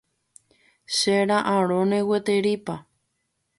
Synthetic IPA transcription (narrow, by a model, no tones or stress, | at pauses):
ʃeɾaʔãɾõnewet̪eɾipa